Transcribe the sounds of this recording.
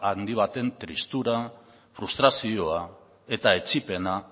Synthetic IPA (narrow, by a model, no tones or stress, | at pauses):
and̪iβ̞at̪e̞nt̪ɾist̪uɾa | fɾust̪ɾasio̞a | e̞t̪ae̞t͡ʃipe̞na